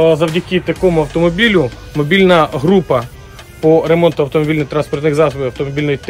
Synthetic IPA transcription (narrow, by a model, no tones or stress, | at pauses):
zɐwdʲɐkɪt̪ɐkɔmʊɐwt̪ɔmɔbʲilʲʊ | mɔbʲilʲnɐɦɾupɐ | pɔɾe̞mɔnt̪ʊɐwt̪ɔmɔbʲilʲnɪxt̪ɾanspɔrt̪nɪxzɑsɔbɪɐwt̪ɔmɔbʲilʲnɔjit̪